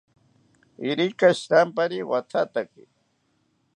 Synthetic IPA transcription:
iɾikaɕt̪ampaɾiwat̪ʰat̪aki

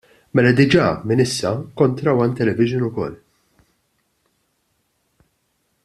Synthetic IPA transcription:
mɛlɐd̪ɪd͡ʒɐːmɪnɪsːɐkɔnt̪ɾɐwɐnt̪ɛlɛvɪʒɪnʊkɔ̰lː

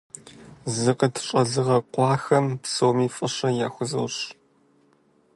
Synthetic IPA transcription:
zɨqətʰɕʼɐɮɨʁɐqʷɑːxɐmpsoːmiːfʼɨɕɐjaːxʷʊzɨwɕ

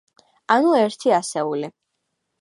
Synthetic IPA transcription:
anuɛɾt̪ʰiasɛuli

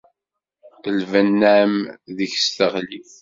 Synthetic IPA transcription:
əlvænːæmðəçst̪əʁliθ

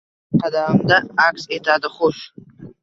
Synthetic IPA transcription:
qadaːmdaːksetʰadaχʷʊʃ

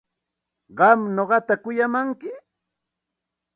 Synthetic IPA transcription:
ɢɑmnoɢɑt̪akʊjamaŋkɪ

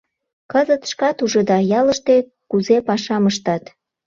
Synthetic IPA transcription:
kɤzət̪ʃkɑt̪uʒə̆d̪ɑjɑlə̆ʃt̪e | kuzepɑʃɑməʃt̪ɑt̪

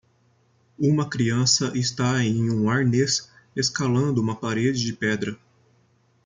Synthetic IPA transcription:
ũmɐkɾiɐ̃sɐʔɪst̪aẽj̃ũaɾnes | eskalɐ̃nd̪ʊũmɐpaɾed͡ʒɪd͡ʒɪpɛd̪ɾɐ

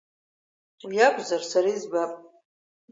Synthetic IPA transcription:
wjakʷʰʼzarsaɾaizbapʼ

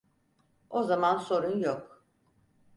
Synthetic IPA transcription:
ozamanso̞ɾunjok

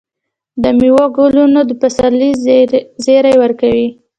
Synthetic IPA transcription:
d̪əmiwɑɡolunod̪əpasalizeɾajwəɾkawi

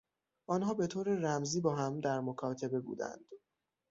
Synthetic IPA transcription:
ʔɒːnɦɒːbe̞t̪ʰoːɾeræmziːbɒːɦæmd̪æɾmokʰɒːt̪ʰe̞be̞bṵːd̪æ̰nd̪̥

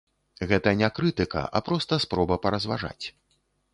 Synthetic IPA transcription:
ɣɛt̪ɐnʲakɾɨt̪ɨkɐ̰ʔɐ̰pɾɔst̪ɐspɾɔbɐpɐɾɐzva̰ʐa̰t͡sʲ

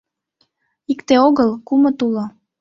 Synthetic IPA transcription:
ikt̪eoɣəlkumə̆t̪ulo

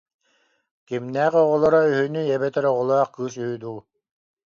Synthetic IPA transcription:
kimnæːqɔʁɔlˠɔɾayɦynyɛbɛt̪ɛɾɔʁɔlˠɔɑχkɯːs̬yyd̪uː

